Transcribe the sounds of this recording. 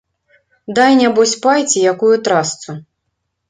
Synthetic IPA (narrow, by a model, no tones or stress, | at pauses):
d̪ajnʲabɔsʲpajt͡sʲijakujut̪ɾast̪su